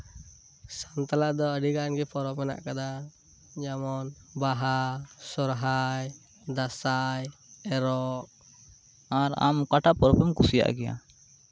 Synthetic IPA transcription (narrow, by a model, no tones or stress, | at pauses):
sant̪alad̪ɔəɖiɡanɡɛpɔɾɔpɛna̰ʔkad̪a | d͡ʒamɔnbaɦasɔɾɦaj | d̪asajɛɾɔʔ | aɾa̰mkaʈapɔɾɔpɛmkusija̰ʔɡɛja̰